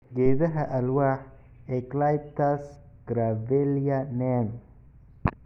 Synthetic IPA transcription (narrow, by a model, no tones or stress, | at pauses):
ɡɛːðɐɦɐʔɐlwaːħ | ɛɡlajb̚t̪ʰɐs | ɡ̥ɾavɛljɐnɛn